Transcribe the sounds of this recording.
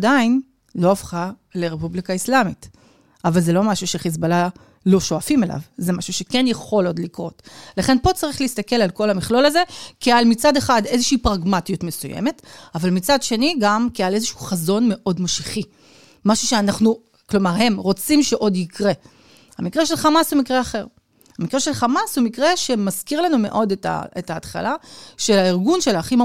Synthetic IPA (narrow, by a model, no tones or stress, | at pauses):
dain | lo̞afχa | leʁepublikaislamit | ʔavalze̞lo̞maʃuʃeχizbala | lo̞ʃoafime̞lʔa̰vzemaʃuʃe̞kenjaχo̞lodlikʁo̞tlaχe̞npo̞t͡saʁiχleistake̞lalko̞lamiχlo̞laze̞kialmit͡sade̞χade̞zeʃiːpʁaɡmatjutme̞sujḛme̞tavalmit͡sadʃe̞niɡamkiale̞zeʃuuχazo̞nme̞ʔo̞dmoʃiχi | maʃuʃe̞anaχnu | klo̞maʁhe̞mʁo̞t͡simʃe̞ʔo̞dikʁe̞ | hamikʁeʃe̞lχamashumikʁeaχeʁ | hamikʁeʃelχamashumikʁe̞ʃe̞maz̥kiʁlanume̞̰ʔo̞deta̰etaːtχa̰laʃe̞lhaiʁɡunʃe̞laχi